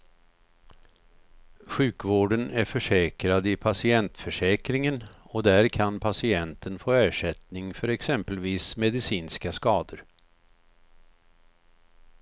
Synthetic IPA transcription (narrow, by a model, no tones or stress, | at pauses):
ɧʉ̟ːkvoːɖənæɾfœʂɛːkɾad̪ɪpʰasɪɛnt̪fœʂɛːkɾɪŋənɔd̪æɾkʰanpʰasɪɛnt̪ʰənfoːæːʂɛt̪nɪŋfœɾɛksɛmpəlviːsmɛd̪ɪsiːnskaskɑːd̪əɾ